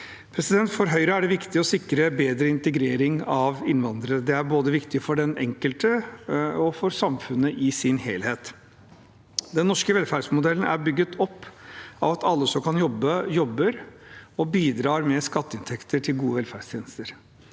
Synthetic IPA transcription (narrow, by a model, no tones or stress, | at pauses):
pʰɾɛsɪd̪ɛnt̪fɔɾɦœʏɾəæɖɛʋɪkt̪ɪɔsɪkɾəbeːd̪ɾəɪnt̪əɡɾeːɾɪŋɑʋɪnʋɑnd̪ɾəɾəd̪ɛæɾboːd̪əʋɪkt̪ɪfɔɖɛnɛ̰ŋkəlt̪ə | ɔfɔɾsɑmfʉnːəʔɪsɪnheːlheːt̪ | d̪ɛnːɔʂkəʋɛlfæːɖʂmʊd̪ɛlːən̩æ̰ɾbʏɡːət̪ʰɔpːɑʋɑt̪ʰɑlːəsɔmkʰɑnjɔbːəjɔbːəɾɔbiːd̪ɾɑːɾmɛskɑt̪ːəɪnt̪ʰɛkt̪ʰəʈʰɪlɡuːəʋɛlfæːɖst̪ʰjeːnəst̪əɾ